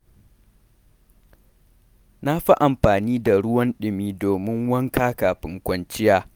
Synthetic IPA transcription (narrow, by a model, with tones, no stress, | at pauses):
na˦ɸa˦ʔa˨mɸaː˨niː˦da˨ɽʊ˦wɐ˦nɗɪ˨miː˦doː˨mɪ˦ŋwɐ˦ŋkaː˦kaː˨ɸɪ˨˦ŋkʷɐ˦nt͡ʃɪ˦jaː˦